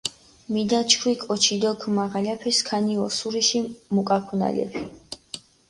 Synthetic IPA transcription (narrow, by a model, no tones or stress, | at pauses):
mid̪at͡ʃʰkʰwikʼɔt͡ʃʰid̪ɔkʰmaʁalapʰɛskʰaniɔsuɾiʃimukʼakʰuna̰lɛ̰pʰi